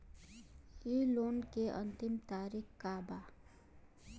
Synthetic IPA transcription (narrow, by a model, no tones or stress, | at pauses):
ilonkeʔə̰nt̪imt̪aːɾikʰkaba